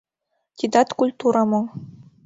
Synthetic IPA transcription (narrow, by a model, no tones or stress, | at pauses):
t̪ʲid̪ɑt̪kulʲt̪uɾɑmɤ̆